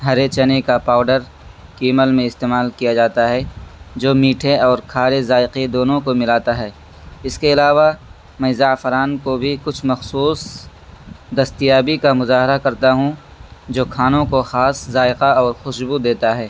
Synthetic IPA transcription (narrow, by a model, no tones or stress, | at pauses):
ɦɐɾet͡ʃɐnekapaːʊɖəɾ | kiːməlmẽɪst̪eːmaːlkijad͡ʒaːt̪aɦɛd͡ʒoːmiːʈʰeɔːɾkʰaːɾezaːɪqed̪oːnõkomɪlaːt̪aɦɛː | ɪskeɪlaːʋa | mɛ̃zaːfɾaːnkobʱikʊt͡ʃʰmɐxsuːs | d̪ɐst̪ijaːbikamʊzaːɦɪɾakɐɾt̪aɦũ | d͡ʒoːkʰaːnõkoxaːszaːɪqaɔːɾxʊʃbud̪eːt̪aɦɛː